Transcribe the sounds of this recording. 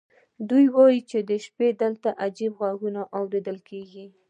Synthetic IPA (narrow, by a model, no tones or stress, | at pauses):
d̪ujwɑjit͡ʃed̪əʃped̪əlt̪aʔad͡ʒibɣwaɡunaʔawɾed̪əlkʰeɡi